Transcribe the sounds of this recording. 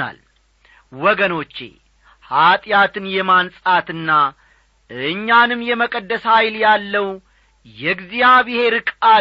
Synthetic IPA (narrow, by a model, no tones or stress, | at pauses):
a̰l | wɔɡəno̞t͡ʃːḛ | hat̪ʼjat̪ʰɨnjɛmansʼat̪ɨnːa | ɨɲːanɨmːjɛməkʼəd̪ːəshajljalːəw | jɛɡzijaβɨhe̞ɾɨkʼa